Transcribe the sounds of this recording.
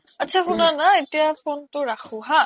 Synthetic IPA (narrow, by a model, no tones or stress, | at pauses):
atːsʰaxunanaetijapontʊɹaxʰuɦa